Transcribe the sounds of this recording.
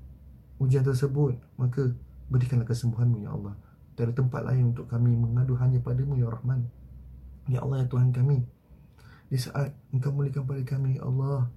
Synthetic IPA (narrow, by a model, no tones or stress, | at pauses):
hud͡ʒiant̪̬ərsəbʊt̪̚makabəɾikanlahkəsəmbuɦanmũja̰ʔɑ̰lːɑh | t̪adat̪əmpa̰t̪̚lʔa̰ɪnunt̪ʊkːamĩməŋaduɦaɲapadamũjaɾahman | ja̰ʔɑ̰lːɑjat̪uɦank̬ami | disa̰ʔat̪̚əŋkawmulikanp̬alikamĩjaʔɑ̰lːɑh